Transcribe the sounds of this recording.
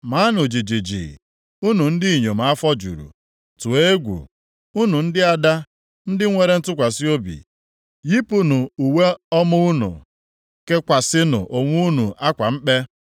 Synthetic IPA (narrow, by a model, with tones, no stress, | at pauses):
ma˨˦nʊ˨d͡ʒi˨d͡ʒi˨d͡ʒḭ˨ | u˦nu˨n̩˦dɪ˦i˨ɲo˨m̩˨˦a˦fɔ˦d͡ʒṵ˨ɾṵ˨ | tu˨e˦e˦ɡʷṵ˨ | u˦nu˨n̩˦dɪ˦a˦da˦ | n̩˦dɪ˦ŋʷe˨ɾe˦n̩˦tʊ˦kʷa˨si˦o˦bḭ˨ | ji˦pu˦nu˨u˨we˦ɔ˦mʊ˦u˦nṵ˨ | ke˦kʷa˨sɪ˦nʊ̰˨ʔo˨ŋʷu˦u˦nu˨ʔa˦kʷa˨m̩˦k͡pe˦